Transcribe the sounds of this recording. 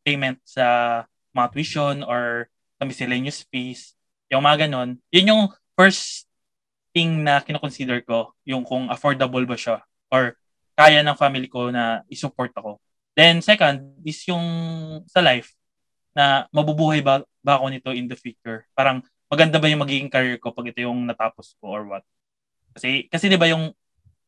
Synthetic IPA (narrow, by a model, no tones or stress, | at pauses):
pejmɛnt̪̚sɐ | mɐt̪wiʃonoɹ | sɐmɪsɪlenjʊsfis | jʊŋmɐŋɐɡɐno̞njʊnjʊŋ | fɛɹs | t̪ɪŋnɐkɪnokonsid̪ɛɹko̞ | jʊŋkʊŋʔɐfoɹd̪ɐbɐlbɐʃa | ʔoɹ | kaːjɐnɐŋfamɪliko̞nɐʔɪsʊpoɹt̪̚ɐko̞ | d̪ɛnsɛkɐnd̪̚ɪsjʊŋsɐlajf | nɐmɐbubuːhɐjb | bako̞nɪt̪o̞ʔɪnd̪ɐfjuːt͡ʃʊɹpaːɾɐŋ | mɐɡɐnd̪abɐjʊŋmɐɡiːɡɪŋkɐɾiɹko̞pɐɡʔɪt̪ojʊŋnɐt̪aːposko̞ʔoɹwɐt̪̚ | kɐsɛkɐsɛd̪ɪbajʊŋ